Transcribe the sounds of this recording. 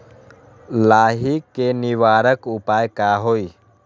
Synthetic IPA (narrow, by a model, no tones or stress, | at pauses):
laːɦikːeniʋaːɾəkupaːjkaɦoiː